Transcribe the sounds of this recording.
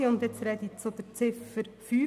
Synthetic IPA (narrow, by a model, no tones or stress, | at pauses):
iʊnd̪jɛt͡sɾɛd̪it͡sod̪əɾt͡sɪfəɾfyː